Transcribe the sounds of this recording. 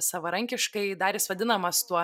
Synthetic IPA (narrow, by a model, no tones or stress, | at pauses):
sɑʋɐɾɐŋʲkʲɪʃkɐɪd̪ɑːɾʲɪsʋɐd̪ʲɪnɐmɐst̪uɔ